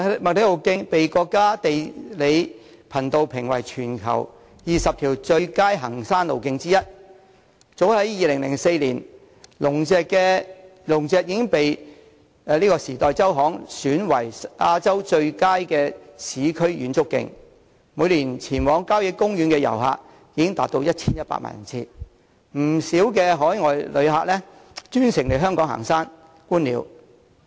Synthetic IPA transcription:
mɐ˨k̚le˨˥lo˨˩wkɪ˧ŋpe˨jkɔː˧kːaː˥t̪e˨jle˨˧j | pʰɐ˨˩nt̪o˧wpʰɪ˨˩ŋwɐ̰˨˩jt͡ʃʰyː˨˩nkʰɐ̰˨˩w | jiː˨sɐ˨p̚t̪ʰiː˨˩wt͡ʃɵ˧ɥkaː˥jɦɐ˨˩ŋsaː˥nlo˨˩wkɪ˧ŋt͡siː˥jɐ˥t̚ | t͡so˨˥whɐ˨˥jjiː˨˧lɪ˨˩ŋlɪ˨˩ŋse˧jliː˨˩n | lʊ˨˩ŋɛː˨˧kkɛː˧lʊ˨˩ŋt͡sɛː˨˧k̚jɪ˨˥ɪ˥ŋpe˨j | liː˥kɔː˧siː˨˩t̪ɔː˨˧jt͡sɐ˥wɦɔː˨˥ŋsyː˨˥nwɐ˨˩jʔaː˧t͡sɐ˥wt͡ʃɵ˧ɥkaː˥jkɛː˧sʰiː˨˧kʰɵ˥ɥjyː˨˥nt͡sʊ˥kːɪ̰˧ŋ | muː˨˧jliː˨˩nt͡sʰiː˨˩nwɔː˨˥ŋkaː˥wjɪ˧kːʊ˥ŋjyː˨˧nkɛː˧jɐ̰˨˩wɦa̰ː˧k̚ | jiː˧˥ɪ˥ŋt̪a̰ː˧t̚t̪o˧wjɐ˥t̚t͡sʰiː˥njɐ˥t̚pa̰ː˧t̚ma̰ː˨˩˨ɐ̰˨˩nt͡sʰiː˧ | m̩˨˩siː˨˥wkɛː˧ɦɔː˨˥jŋɔː˨jlɵ̰˨˧ɥɦaː˧k̚lɛː˥ | t͡ʃyː˥nsɪ˨˩ŋle˨˩jɦœː˥ŋkɔː˨˥ŋha̰ː˨˩ŋsaː˥n | kuː˥nliː˨˧w

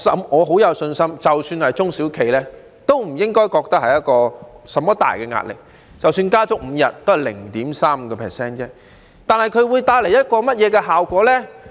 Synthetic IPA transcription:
sɐ˨˥mŋɔː˨˧ɦo˨˥wjɐ˨˧wsɵ˧nsɐ˥mt͡sɐ˨wsyː˧nhɐ˨jt͡sʊ˥ŋsiː˨˥wkʰe˨jlɛː˥ | t̪o˥wm̩˨˩jɪ˥ŋkɔː˥jkɔː˧k̚t̪ɐ˥k̚hɐ˨jɐ˥t̚kɔː˧sɐ˨mɔː˥t̪a̰ː˨jkɛ˧ŋa̰ː˧t̚lɪ̰˨˩k̚ | t͡sɐ˨wsyː˧nkaː˥t͡sʊ˨˥k̚m̩˨˧jɐ˨t̚t̪ːo˥hɐ˨jlɪ̰˨˩ŋt̪iː˨˥msaː˥m̩˧kɔ˧pʰɛː˨˩sɛː˥nt͡sɛː˥ | t̪aː˨nhɐ˨jkʰɵ˧ɥwuː˨˧jt̪aː˧jle˨˩jɐ˥t̚kɔː˧mɐ˥t̚jɛː˨˧kɛː˧ɦaː˨wkʷɔː˨˥lɛː˥

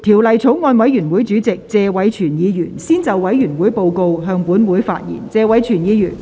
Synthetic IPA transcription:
t̪ʰiː˨˩wlɐ˨˩jt͡sʰo˨˥wŋɔː˧nwɐ˨˥jjyː˨˩nwuː˨˥jt͡syː˨˥t͡sɪ˨k̚t͡sɛː˧wɐ˨˥jt͡ʃʰyː˨˩njiː˨˧jyː˨˩nsiː˥nt͡sɐ˨wwɐ˨˥jjyː˨˩nwuː˨˥jpo˨˧wko˧wɦœː˧ŋpuː˨˥nmuː˨˥jfa̰ː˧t̚jḭː˨˩nt͡sɛː˧wɐ˨˥jt͡ʃʰyː˨˩njiː˨˧jyː˨˩n

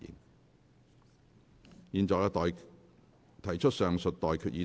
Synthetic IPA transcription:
ɪ̰˨˩ŋ | jiː˧nɔː˨˧jɐ˥˨j | t̪ʰɐ˨˩jt͡ʃʰɵ˥t̚sœː˨˧ŋsɵ˨t̚t̪ɔː˨jkʰyː˨t̚jiː˧

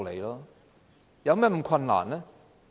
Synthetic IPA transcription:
lḛ˨jlɔː˦˥ | jɐ˨˧wmɛː˥˩m̩˨˩˦kʰɐ˧nla̰ː˨˩nlɛ˦˥

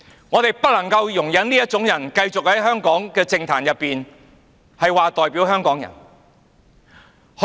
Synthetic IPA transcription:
ŋɔː˨˧t̪e˨jpɐ˥t̚lɐ˨˩ŋkɐ˧wjʊ˨˩ŋjɐ˨˥nliː˥jɐ˥t̚t͡ʃʊ˨˥ŋjɐ˨˩nkɐ˧jt͡sʊ˨k̚hɐ˨˥jɦœː˥ŋkɔː˨˥ŋkɛː˧t͡sɪ˧ŋt̪ʰaː˨˩njɐ˨pːiː˨n | hɐ˨jwaː˨t̪ɔː˨jpiː˨˥whœː˥ŋkɔː˨˥ŋjɐ̰˨˩n | h

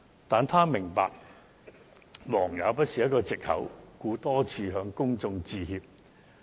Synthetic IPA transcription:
t̪aː˨nt̪ʰaː˥mɪ˨˩ŋpa̰ː˨k̚ | wɔː˨˩ŋjɐ˨˧wpɐ˥t̚siː˨jɐ˥t̚kɔː˧t͡sɪ˨k̚hɐ̰˨˥wkuː˧t̪ɔː˥t͡sʰiː˧ɦœː˧ŋkʊ˥ŋt͡sʊ˧ŋt͡siː˧hiː˧p̚

